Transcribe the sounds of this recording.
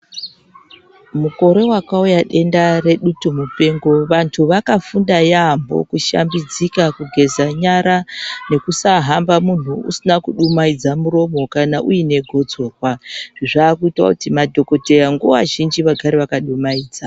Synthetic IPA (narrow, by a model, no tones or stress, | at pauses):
muko̞ɾe̞wakaujaɗe̞ndare̞ɗutumupe̞ŋɡo̞ʋantʰuʋakafundajambo̰kuʃa̰mbid͡zikakuɡʱe̞zaɲaɾane̞kusaɦambamun̤uṵsinakuɗumaid͡zamuɾo̞mo̞kanaʔuine̞ɡʱo̞d͡zo̞ːkwaʐ̥iʐaːkuitwa̰kutimadʱo̞ko̞te̞jaŋɡua̰ʒind͡ʒiʋaɡʱaɾeʋakaɗumaiːd͡za